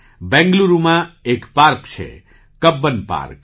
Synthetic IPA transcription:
bɛ̃ŋɡluɾumãekpaɾkt͡ʃʰḛ | kəbːənpa̰ɾk̚

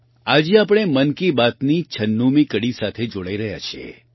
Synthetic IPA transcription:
ad͡ʒiapɽ̃emənkibat̪nit͡ʃʰənːumikəɽisat̪ʰed͡ʒoɽaiɾəɦja̰t͡ʃʰiḛ

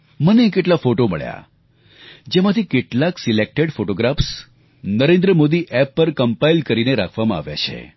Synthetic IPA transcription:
mənekeʈlafoʈomə̰ɭja̰ | d͡ʒemat̪ʰikeʈlaksilek̚ʈeɽfoʈoɡɾafs | nəɾẽnd̪ɾəmod̪iʔɛpːəɾkəmpailkəɾineɾa̰kʰʋamãa̰ʋja̰t͡ʃʰḛ

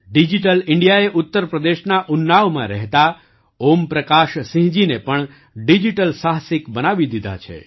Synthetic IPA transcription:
ɖid͡ʒiʈəlɪɳɖijaeʔʊt̪ːəɾpɾəd̪eʃnaʔʊnːaʋmã̰ɾɛɦt̪a | ompɾəkaʃsĩɦd͡ʒinepəɳ | ɖid͡ʒiʈəlsaɦsɪkbənaʋid̪id̪ʱa̰t͡ʃʰḛ

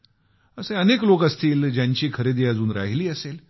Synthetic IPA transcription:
əseəneklokəst̪iːld͡ʑjaɲt͡ɕiːkʰəɾed̪iːəd͡zuːnɾa̰ɦiliːəsel

